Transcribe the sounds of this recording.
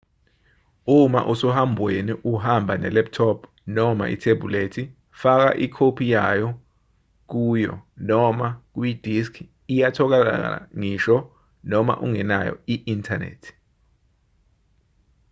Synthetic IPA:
uma̰ʔusɔhambʱweniʔuhambʱanɛ̰lɛp̚tʰɔpʰ | nɔma̰ʔḭtʰebʱuletʰi | fak̬a̰ʔikʰopʰijajɔ | k̬uːjɔ̰nɔmak̬wid̥ʱiskʰ | ijatʰɔk̬ala̰a̰ŋiːʃɔ | nɔma̰ʔṵŋɛna̰jɔ̰iʔintʰanḛːtʰi̥

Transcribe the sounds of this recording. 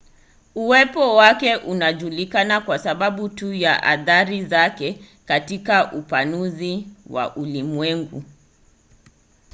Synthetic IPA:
uwɛpɔwakɛʔunaʄulikanakwasaɓaɓutujaʔa̰θaɾizakɛ | katikaʔupanuziwa̰ʔulimwɛŋɡṵ

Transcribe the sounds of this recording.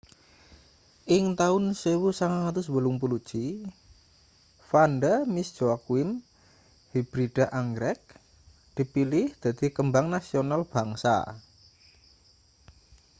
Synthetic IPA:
ʔɪŋt̪aʊnsəwusaŋaŋat̪ʊswəlʊŋpulud̥ʒ̥i | fanɖəmisd̥d͡ʒoakwɪm | hib̥ɾiɖ̥aʔaŋɡɾɛk̚ | d̪̥i̤pilɪhd̪̥a̤d̪̥i̤kəmbaŋnasionalb̥a̤ŋsa̰

